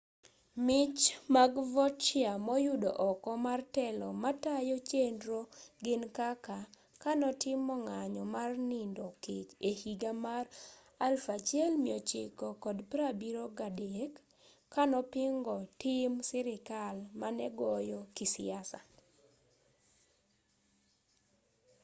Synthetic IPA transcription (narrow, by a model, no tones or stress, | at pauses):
mɪt͡ʃmaɡvɔt͡ʃjamɔjʊdo̰ʔɔkɔmartɛlɔmatajɔt͡ʃendɾoɡɪnkaka | kanɔtɪmɔŋaɲɔmarnindokɪt͡ʃehiɡamar | alfat͡ʃɛlmiɔt͡ʃɪ̰kɔkɔdpɾabiɾoɡadekː | anɔpɪŋɡɔtɪmsɪɾɪkalmanɛɡɔjɔkisɪ̰asa̰